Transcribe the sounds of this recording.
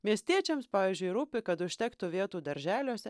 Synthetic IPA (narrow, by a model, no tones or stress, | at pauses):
mʲiɛsʲt̪ʲiɛt͡ʃʲɛmspɑːʋʲiːzʲd͡ʒʲʊɪɾuːpʲɪkɐt̪ʊʃʲt̪ʲɛkt̪ʊʋʲiɛt̪uːd̪ɐɾʲʒʲæːlʲoːsʲɛ